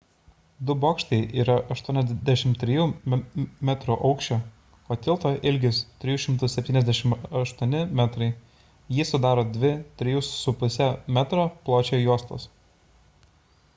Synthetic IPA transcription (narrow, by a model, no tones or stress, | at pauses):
d̪ʊboːkʃʲt̪ʲɛɪʔiːɾɐʔɐʃt̪uɔnʲɛzd̪ʲæʃʲɪmt̪ʲɾʲɪjuː | mʲɛt̪ɾuʔɐʊkʃʲt͡ʃʲoː | pot̪ʲɪlˠt̪oːʔɪlʲɡʲɪst̪ʲɾʲɪjuːʃʲɪmt̪ʊsʲɛpʲt̪ʲiːnɛzd̪ʲæʃʲɪmɐʃt̪uɔnʲɪmʲæt̪ɾɐɪ | jiɛsʊd̪ɑːɾoːd̪ʲʋʲɪt̪ʲɾʲɪjusʊpʊsʲɛmʲæt̪ɾoːplˠoːt͡ʃʲeːjuɔst̪o̰ːs